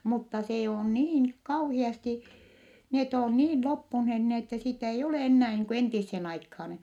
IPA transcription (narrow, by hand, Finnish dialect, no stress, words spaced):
mutːɑ seː on niːn kɑuhiɑsti net on niːn lopːunheh n etːɛ sitæ ei oleˑ enːæː niːŋ ku entisːeːn ɑikhɑːn